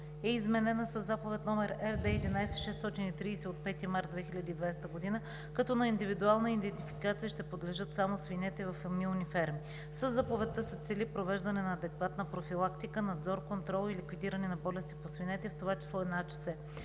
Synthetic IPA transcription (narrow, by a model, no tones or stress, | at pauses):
ɛizmɛnɛnəsəzːapovɛt̪nɔmɛɾɛɾd̪ɛɛd̪inajsɛʃɛst̪ɔt̪init̪ɾiːsɛot̪̚pɛt̪imaɾt̪̚d̪vɛxilʲəd̪iːd̪vajst̪əɡod̪inə | kɐt̪ɔnɐind̪ivid̪ualˠnəid̪ɛnt̪ifikat̪sijəʃt̪ɛpod̪lɛʒɤt̪samosvinɛt̪ɛvɐfmilˠnifɛɾmi | səzːapovɛt̪ːəsɛt̪sɛlipɾovɛʒd̪ɐnɛnɐːd̪ɛkvat̪nəpɾofilˠakt̪ikənɐd̪zɔɾkont̪ɾɔlˠilikvid̪iɾənɛnɐbɔlɛst̪iposvinɛt̪ɛft̪ovat͡ʃi̥slˠɔɛd̪nat͡ʃə̥sɛ